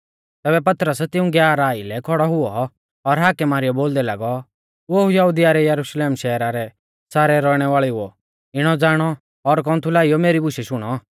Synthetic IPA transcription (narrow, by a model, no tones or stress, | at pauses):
t̪ɛːbɛpɐt̪ɾəst̪ɪʊ̃ɡjaːɾaːilɛkʰɔɽɔɦʊɔː | ɾɦaːkɛmaːɾɪjɔboːld̪ɛlaːɡɔ | oɦujɐɦʊd̪ijaɾɛjɐɾuʃleːmʃɛːɾaɾɛ | saːɾɛɾɔɽ̃ɛʋaːɭɛʊɔ̰ | ɪɽ̃ɔd͡zaːɽ̃ɔ | ɔɾk̬ɔ̃ːnt̪ʰulaːijɔmeːɾibʊʃɛʃʊɽ̃ɔ